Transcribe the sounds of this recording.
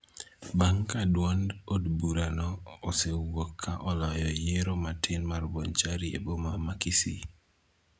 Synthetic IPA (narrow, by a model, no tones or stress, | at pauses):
baŋkadwandodbuɾanɔːsewokʰːaʔɔlɔjɔjeɾomatʰɪnmarbont͡ʃaɾiḛbomamakisḭ